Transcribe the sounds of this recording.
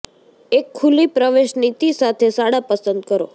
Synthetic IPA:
ekʰːulipɾəʋeʃnit̪isat̪ʰesaɽapəsənd̪kəɾo

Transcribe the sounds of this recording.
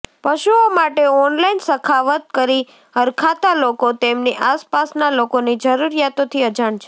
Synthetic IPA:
pəʃuomaʈeɔnlainsəkʰaʋət̪̚kəɾi | ɦəɾkʰat̪alokot̪emniʔaspasnalokonid͡ʒəɾuɾjat̪ot̪ʰiəd͡ʒaɳt͡ʃʰe

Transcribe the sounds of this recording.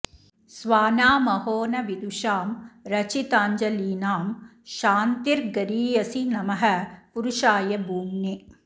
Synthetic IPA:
sʋaːnaːmɐɦoːnɐʋid̪uʃaːmɾɐt͡ʃit̪aːɲd͡ʒɐliːnaːm | ʃaːnt̪iɾɡɐɾiːjɐsinɐmɐɦɐ̆puɾuʃaːjɐbʱuːmne

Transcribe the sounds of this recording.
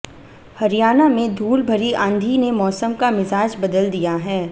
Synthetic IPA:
hɐɾijaːnamẽd̪ʱuːlbʱɐɾiʔãːnd̪ʱinemɔːsəmkamɪzaːd͡ʒbɐd̪əld̪ijaɦɛː

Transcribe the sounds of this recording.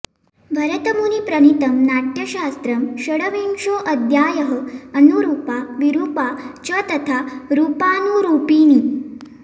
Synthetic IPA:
bʱɐɾɐt̪ɐmunipɾɐnit̪ɐmnaʈjɐɕaːst̪ɾəmɕəɽəʋiŋʂoːʔɐd̪ʱjaːjəɦəɐnuɾuːpaʋiɾuːpat͡ɕɐt̪ɐt̪ʰaɾuːpaːnuɾuːpiːni

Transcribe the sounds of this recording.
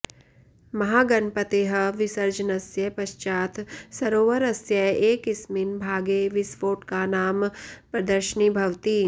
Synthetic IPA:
mɐɦaːɡɐnpɐt̪eːɦɐʋɪsɐɾd͡ʒənɐsjɐpɐʃt͡ʃaːt̪ʰsɐɾoːʋɐɾɐsjɐeːkɪsminbʱaːɡeːʋɪsʋoːʈkanaːmpɾɐd̪əɾʃənibʱɐʋt̪iː

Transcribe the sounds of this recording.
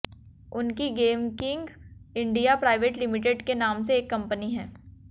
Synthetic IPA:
ʊnkiɡeːmkɪ̃ŋɡɪ̃ɳɖijapɾaːɪʋeːʈlɪmɪʈeɖkenaːmseːkːɐ̃mpəniɦɛ̰̃ː

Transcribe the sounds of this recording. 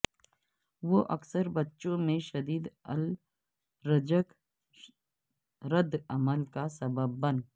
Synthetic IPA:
ʋoʔɐksəɾbɐtːʃõmẽʃɐd̪iːd̪ə̰l | ɾəd͡ʒək | ɾəd̪ɐməlkasɐbəbːɐn

